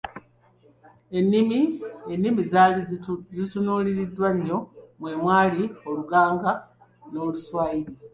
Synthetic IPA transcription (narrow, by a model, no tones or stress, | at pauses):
e̞nːimienːimiz | zitunuːliɾidːwaɲːo̞mwe̞ːmwaːlio̞luɡaːŋɡa | no̞ːluswaːjiɾi